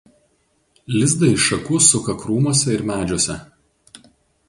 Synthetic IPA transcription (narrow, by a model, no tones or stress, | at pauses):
lʲɪzd̪ɐɪʃɐkʊsʊkɐkɾuːmoɔsʲɛɪɾmʲæːd͡ʒʲoːsʲɛ